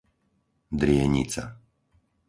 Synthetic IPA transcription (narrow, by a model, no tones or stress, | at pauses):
d̪ɾɪɛɲḭt͡sa̰